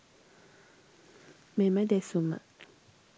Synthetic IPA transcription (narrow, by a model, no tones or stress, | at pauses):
memad̪esuma̰